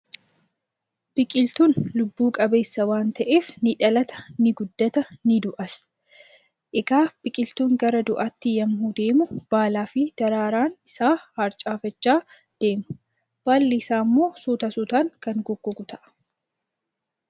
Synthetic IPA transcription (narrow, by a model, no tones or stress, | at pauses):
b̥ɪkʼɪlt̪uːnlʊbːuːkʼɐbe̞ːsːɐwaːnt̪ɐʔeːfnɪᶑɐlɐt̪ɐ̥nɪɡʊd̪ːɐt̪ɐnɪd̪ʊʔɐs | ʔɪɡaːb̥ɪkʼɪlt̪uːŋɡɐɾɐd̪ʊʔɐt̪ːɪjɐmhud̪e̞ːmʊb̥aːlaːfɪd̪̥ɐɾaːɾaːnɪsaːhɐɾt͡ʃʼaːfɐt͡ʃːaː | d̪̥e̞ːmʊ | b̥aːlːɪsaːmːo̞ːsuːt̪ɐsut̪aːŋkɐŋɡʊɡːʊɡʊt̪ɐʔɐ̥